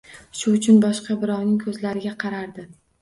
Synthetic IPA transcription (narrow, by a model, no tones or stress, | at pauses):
ʃʊʊt͡ʃʰʊnbɒʃqɑbɪɾɒwnɪŋkʰɵzlaɾɪɡʲaqʰɑɾaɾd̪ɪ